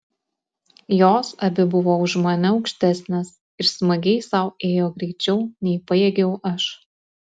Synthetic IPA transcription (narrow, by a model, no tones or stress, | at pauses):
joːsɐbʲɪbʊʋoːʊʃmɐnʲɛɒʊkʃʲt̪ʲæsʲnʲeːs | ɪɾsmɐɡʲɛɪsɐʊeːjoːɡɾʲɛɪt͡ʃʲɛʊnʲɛɪpɐjeːɡʲɛʊʔɐʃ